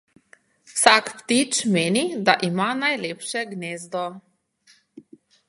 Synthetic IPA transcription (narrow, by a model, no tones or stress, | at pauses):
wsakpt̪it͡ʃmeːnid̪aʔimanajleːpʃɛɡneːzd̪ɔ